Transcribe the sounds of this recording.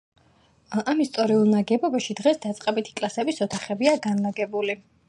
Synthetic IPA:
amist̪sʼɔɾiulˠnaɡɛbɔbaʃid̪ʁɛsd̪at̪sʼqʼɛbit̪ʰi̥kʼlˠasɛbisɔt̪ʰaχɛbiaɡanlaɡɛbuli

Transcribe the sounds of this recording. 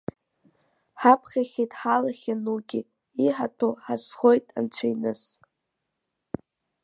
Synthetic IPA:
ħapʰχʲaχʲijtʼħalaχʲanuɡʲi | iħatʰoħasχo̞jtʼa̰nt͡ɕʷʰajnɨs

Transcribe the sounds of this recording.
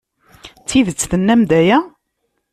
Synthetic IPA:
t͡sːiðət͡sːθənːæmd̪æjæ

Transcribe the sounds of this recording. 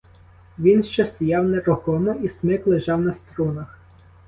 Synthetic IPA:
ʋʲinʃt͡ʃɛst̪ɔjɑwnɛɾɔxɔmɔismɪklˠeʒɑwnɐst̪ɾɔnɐx

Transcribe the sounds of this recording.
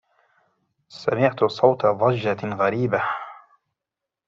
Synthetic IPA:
samɪʕt̪sˤɑwt̪ɑðˤɑd͡ʒːaɣaɾiːba

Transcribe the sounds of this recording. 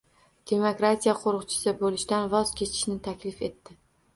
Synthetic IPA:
d̪̥e̞mokɾat̪ʰijaqʰoɾɨqt͡ʃʰɪ̥sɪbolɪʃt̪anvɒz̥kʲʰe̞t͡ʃ̪ʰɪ̥ʃnɪt̪ʰakʲlɪfe̞t̪ːɪ

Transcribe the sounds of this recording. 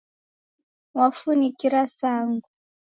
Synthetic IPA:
wafunikiɾasaːŋɡu

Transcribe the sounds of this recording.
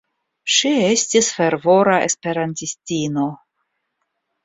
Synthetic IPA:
ʃiestisfe̞ɾvo̞ɾae̞̰spe̞ɾantistino̞

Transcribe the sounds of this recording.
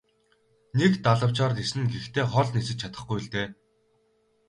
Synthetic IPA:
nekt̪aɮə̆w̥t͡ɕɔːrt̪esɘ̆nɡext̪ʰeːχɔɮnesɘ̆t͡ɕt͡ɕʰat̪ə̆χɡujɪɮt̪eː

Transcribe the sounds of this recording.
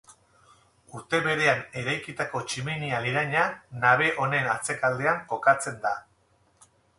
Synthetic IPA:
uɾt̪e̞βe̞ɾe̞ane̞ɾajkit̪ako̞t͡ʃiminialiɾaɲanaβ̞e̞ʔo̞ne̞nat͡se̞kald̪e̞aŋko̞kat͡se̞nd̪a

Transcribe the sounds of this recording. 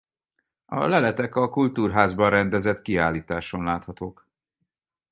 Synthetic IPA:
ɒ̰lɛlɛt̪ɛkɒkult̪uːrɦaːzbɒrrɛnd̪ɛzɛt̪kiaːliːt̪aːʃo̞nlaːt̪hɒt̪oːk

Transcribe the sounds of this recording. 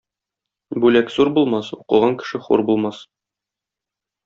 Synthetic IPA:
bʉlækzuɾbulˠmɑsuqɤ̆ʁɑŋkɘ̥̆ʃɘχṵɾbulˠmɑs

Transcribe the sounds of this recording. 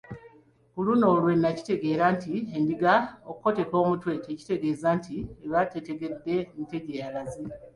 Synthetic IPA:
kuluno̞ːlwe̞nːaci̥te̞ɡe̞ːɾantiendiɡaokuko̞te̞ko̞ːmutwe̞teci̥te̞ɡe̞ːzantieβatete̞ɡe̞d̪ːe̞nte̞ɟejalazi

